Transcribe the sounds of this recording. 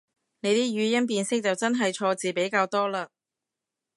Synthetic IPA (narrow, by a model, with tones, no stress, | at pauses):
ne˨˧jt̪iː˥ɥyː˨˧jɐ˥np̬iː˧nsɪ˥k̚t͡sɐ˨wt͡sɐ˥nɦɐ˨jt͡ʃʰɔː˧t͡siː˨pe˨˥jkaː˧wt̪ɔː˥laː˧